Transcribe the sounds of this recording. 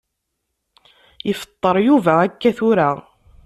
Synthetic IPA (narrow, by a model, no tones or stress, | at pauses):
jəfə̥t̪ˤːəɾˤjuvæækːæθʊɾa